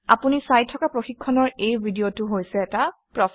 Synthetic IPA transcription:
a̰punisajtʰːɔkapɹoxikʰːɔnɔɹejbʱidiotuɦojsɛːtapɹɔ

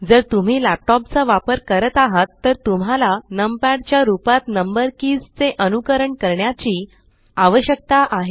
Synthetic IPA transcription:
d͡zəɾt̪um̤iːlæp̚ʈɔp̚t͡səʋapəɾkəɾət̪aɦat̪ːəɾt̪um̤alanəmpɛɽt͡ɕjaɾupat̪nəmbəɾkid͡zt͡seʔənukəɾəɳkəɾɳjat͡ɕiː | aʋəɕjək̚t̪aʔaɦe

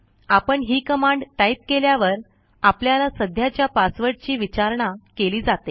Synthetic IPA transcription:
apəɳɦiːkəmaɳɖʈaip̚keljaʋəɾ | apljalasəd̪ʱjat͡ɕjapasʋəɾʈt͡ɕiːʋit͡ɕaɾɳakeliːd͡zat̪e

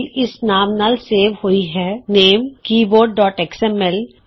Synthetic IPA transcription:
lɪsnaːmnaːlseːʋhoiɦɛːneːmkiːboːɖ̚ːɔːʈɛksɛmɛl

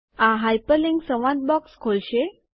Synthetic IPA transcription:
ãɦajpəlĩŋɡsəʋãd̪̚bɔkskʰolɕe

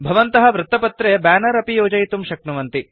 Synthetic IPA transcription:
bʱɐʋɐnt̪ɐɦɐ̆ʋɾɐt̪ːɐpɐt̪ɾeːbaːnɐɾɐpijoːd͡ʒɐjt̪umʃɐknɐʋɐnt̪i

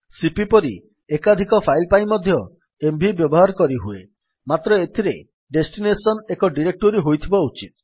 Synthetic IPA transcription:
sipipɔɾi | ekad̪ʱikɔpʰajlpaj̃mɔd̪ʱjɔ | embʱibjɔbɔɦaɾɔkɔɾiɦue | mat̪ɾɔet̪ʰiɾe | ɖesʈinesɔnekɔɖiɾek̚ʈoɾiɦojt̪ʰibaut͡ʃit̪̚

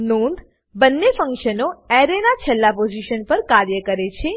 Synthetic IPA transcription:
nũnd̪ | bənːefə̃ŋkʃənoɛɾenat͡ʃʰɛlːapod͡ʒiʃənpəɾkaɾjəkəɾet͡ʃʰe

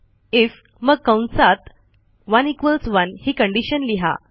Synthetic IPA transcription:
if | məɡ̚kəwnsat̪ | ʋanikʋəlsʋanhiːkəɳɖiɕənliɦa̰

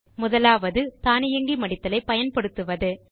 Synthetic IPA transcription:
mʊðɐlaːʋɐðɯt̪aːnɪjɐŋɡimɐɽɪt̪ːɐlɐɪpɐjɐnpɐɽɯt̪ːɯʋɐðɯ

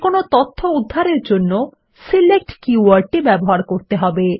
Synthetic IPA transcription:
konot̪ɔt̪ʰːoud̪ʱːaɾeɾd͡ʑonːo | silek̚ʈkiuaɾʈːibɛboɦaɾkoɾt̪eɦɔbe

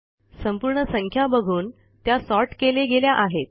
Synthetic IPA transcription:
səmpuɾɳəsəŋkʰjabəɡʱuːn | t̪jasɔʈkeleɡeljaʔaɦet̪̚

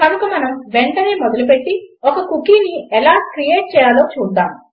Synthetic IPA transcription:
kɐnɐkumɐnɐmʋeɳʈɐneːmɔd̪ɐlup̬eʈːiɔkɐkukiːniɛlaːkɾijeːʈ̚t͡ʃɛːjaːloːt͡ʃuːd̪ːaːm

